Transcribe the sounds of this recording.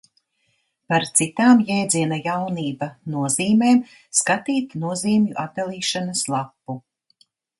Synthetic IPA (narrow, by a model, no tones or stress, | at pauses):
paɾt̪sit̪aːmjɛjd̪ziɛnajawniːbanuɔziːmeːm | skat̪iːt̪nuɔziːmjuʔat̪̚d̪alˠiːʃanɐslˠapːu